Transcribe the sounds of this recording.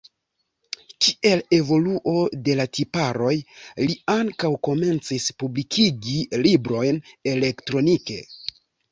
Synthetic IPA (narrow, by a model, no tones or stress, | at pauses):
kiʔe̞le̞vo̞luʔo̞de̞latipaɾo̞jliaŋkawko̞me̞nt͡sispublikʰiɡilibɾo̞jne̞le̞ktɾo̞nike̞̰